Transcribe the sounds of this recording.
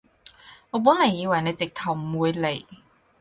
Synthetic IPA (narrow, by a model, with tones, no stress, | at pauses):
ŋɔː˨˧p̬uː˨˥nlɐ˨˩jiː˧wɐ˨˩jne˨˧jt͡sɪ˨k̚t̪ʰɐ˨˩wmuː˨˧jle˨˩j